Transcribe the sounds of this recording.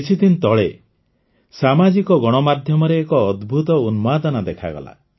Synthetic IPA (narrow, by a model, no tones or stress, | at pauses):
it͡ʃʰit̪int̪ɔɭe | samad͡ʒikɔɡɔɽ̃ɔmad̪ʱjɔmɔɾeːkɔːd̪bʱut̪ɔunmad̪ɔnad̪ekʰa̰ɡɔ̰la̰